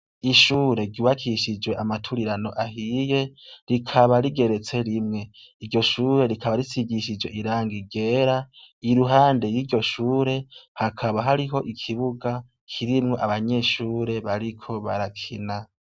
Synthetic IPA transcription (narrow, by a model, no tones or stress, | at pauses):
iʃuːɾe̞ɟuːβakʰiʃid͡ʒwe̞ʔamatʰuɾiɾano̞ʔaɦije̞ɾikʰaβaɾiɡe̞ɾe̞t͡se̞ɾimŋe̞ | iɾɟo̞ʃuːɾe̞ɾikʰaβaɾisiɡiʃid͡ʒwe̞ʔiɾaːŋɡiɡe̞ːɾaiɾuɦaːndejiːɟo̞ʃuːɾe̞hakʰaβaɦaɾiɦo̞ʔikʰiβuɡa | kʰiɾimŋo̞ʔaβaɲe̞ʃuːɾe̞βaɾikʰo̞βa̰ɾakʰina